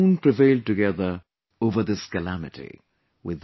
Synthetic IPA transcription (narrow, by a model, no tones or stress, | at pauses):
npʰɹ̥ɨveɪlˠd̚tɨɡɛðə˞ | oʊvə˞ðɪskɨlæmɨɾḭ | wɪð